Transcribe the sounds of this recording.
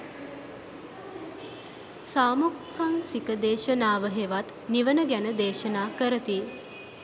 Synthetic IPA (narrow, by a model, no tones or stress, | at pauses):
saːmukʰːaŋsikəd̪eːʃənaːʋəɦeʋat̪ | niʋənəɡænəd̪eːʃənaːkəɾət̪i